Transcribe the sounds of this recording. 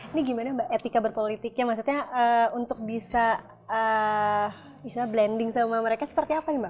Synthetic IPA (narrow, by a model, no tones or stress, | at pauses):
niɡimanabaʔet̪ikabərpolit̪ɪk̚ɲamahs̬ut̪̚ɲaʔəunt̪ʊk̚bisa | ə | bisablɛndɪŋsamaməɾekasə̥pərt̪iapanima